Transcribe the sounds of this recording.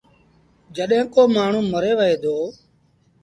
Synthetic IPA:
d͡ʒəɗɦẽːkoːmaːɳ̤ũːməɾeːʋəeːd̪oː

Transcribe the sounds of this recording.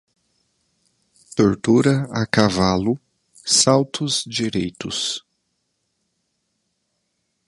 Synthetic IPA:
t̪oɾt̪uɾɐakavalʊ | sawt̪ʰʊzd͡ʒiɾejt̪ʊs

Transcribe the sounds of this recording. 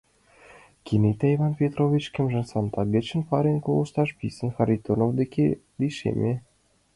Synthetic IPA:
kʰinet̪æivɑnpʲet̪rovʲit͡ɕkĕmʒɘ̆nsɑnt̪ɑɡĕt͡ɕə̆npɑɾʲenʲkolˠɤ̆ʃt̪ɑʃpʲisə̆nxɑɾʲit̪onovd̪ekʰed̪iʃḛmʲe

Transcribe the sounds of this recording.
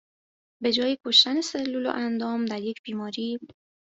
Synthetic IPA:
be̞d͡ʒɒːjekʰo̞ʃt̪ænese̞lːulo̰ʔænd̪ɒːmd̪æɾje̞cʰb̥iːmɒːɾiː

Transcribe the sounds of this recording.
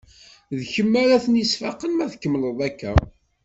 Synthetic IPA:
ðçəmːaɾæθənisfɑqənmæθkːəmləðˤækːæ̰

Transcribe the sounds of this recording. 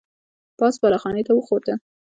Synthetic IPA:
pɑsbɑlaxɑnet̪awəxoɾd̪ə

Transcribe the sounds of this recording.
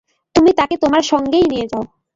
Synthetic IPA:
t̪umit̪aket̪omaɾʃɔŋɡejnijed͡ʑao

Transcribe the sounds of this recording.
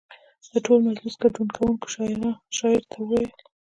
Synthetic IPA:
d̪̥əʈolmazlʊsɡaɖunkʰawuŋko̥ʃɑɪɾaʃɑɪɾt̪ʰaael

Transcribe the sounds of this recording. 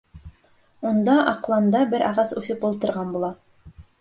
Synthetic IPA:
und̪ɑʔɑqlˠɑnd̪ɑbɘɾʔɑʁɑsʉθɘpulˠt̪ɤ̆ɾʁɑnbulˠɑ

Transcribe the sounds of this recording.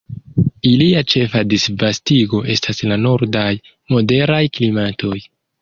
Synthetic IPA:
iliat͡ʃe̞fadisvastiɡo̞ʔe̞staslano̞ɾdaj | mo̞de̞ɾajklimatʰo̞j

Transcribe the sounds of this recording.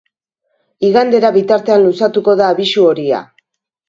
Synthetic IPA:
iɣand̪e̞ɾaβit̪aɾt̪e̞anlusat̪uko̞ðaːβisuo̞ɾia̰

